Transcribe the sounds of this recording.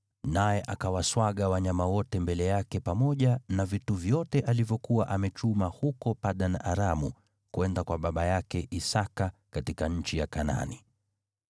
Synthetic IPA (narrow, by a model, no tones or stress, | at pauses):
najɛʔakawaswaɠawaɲamawɔtɛmbɛlɛjakɛpamɔʄanavituvjɔtɛʔalivjɔkuwaʔamɛt͡ʃumahukɔpaɗanaɾamu | kwɛndakwaɓaɓajakɛʔisakakatikaɲ̩t͡ʃijakana̰ni